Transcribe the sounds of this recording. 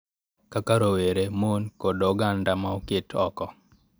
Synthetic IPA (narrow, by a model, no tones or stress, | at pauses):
kakaɾoweɾemonkodoɡandamaokɪtʰɔkɔ